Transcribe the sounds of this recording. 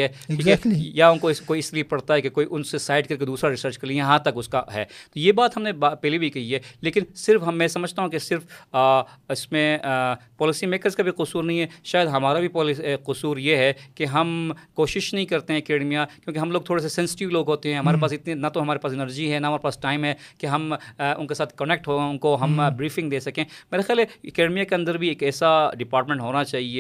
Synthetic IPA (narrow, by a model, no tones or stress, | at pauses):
ɛiːkːjaʊnkoɪskoːiɪsliepɐɽt̪aɦɛkekoːiʔʊnsesaːɪɖ̚kɐɾk̬ed̪uːsɾaɾɪsəɾt͡ʃkɐɾlĩjɐɦãt̪ɐkʊskaɦɛ̰ːt̪ojebaːt̪ɦɐmnebapɛːlibʱikɐɦiɦɛːleːkɪnsɪɾfɦɐmːɛ̃sɐməd͡ʒʱt̪aɦũkesɪɾf | ɪsmẽpɔːlɪsimeːkəɾzkabʱiqʊsuːɾnɐɦĩɦɛʃaːjəd̪ɦɐmaːɾabʱipɔlqʊsuːɾjeɦɛkeɦɐmkoːʃɪʃnɐɦĩkɐɾt̪eɦɛ̃ɐkeːɖmijakjõːkeɦɐmloːɡ̚t̪ʰoːɽesesɛ̃ːnsɪ̥ʈɪʋloːɡɦoːt̪eɦɛ̃ɦɐmaːɾepaːsɪt̪ninɐt̪oɦɐmaːɾepaːsɪnəɾd͡ʒiɦɛnɐɦɐmaːɾepaːsʈaːɪmɦɛkeɦɐmʊnkesaːt̪̚ʰkɐnek̚ʈɦoːeʊnkoɦɐmbɾiːfɪ̃ŋɡd̪eːsɐkẽːmeːɾexjaːleɐkeːɖmijakeɐ̃nd̪əɾbʱieːkɛːsaɖɪpaːɾʈmẽɳʈɦoːnat͡ʃaːɦie